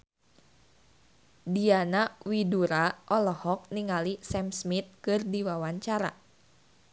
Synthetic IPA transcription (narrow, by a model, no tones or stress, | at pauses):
dianawiduɾaʔɔlɔhɔk̚niŋalisɛmsmit̪̚kɨrdiwawaɲt͡ʃaɾa̰